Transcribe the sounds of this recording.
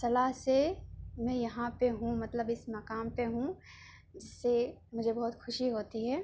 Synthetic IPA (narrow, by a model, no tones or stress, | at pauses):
sɐlaːɦsemɛ̃jɐɦãpeɦũmɐt̪ləbɪsmɐkaːmpeɦũ | d͡ʒɪsːemʊd͡ʒʱebɐɦʊt̪xʰʊʃiɦoːt̪iɦɛː